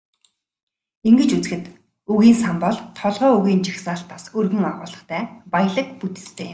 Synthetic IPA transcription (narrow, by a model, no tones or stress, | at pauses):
iŋɡɘ̆t͡ɕut͡sɘ̆xɘ̆t̪ | uɣiːnsampɔɮt̪ʰːɔɮʁœːɵɣiːnt͡ɕixsaːɬt̪̚pasɵrɣɵ̆ŋaʁʊːɮə̆χt̪ʰæːpaj̆ɮə̆k̚put̪ɘ̥̆t͡st̪ʰeːm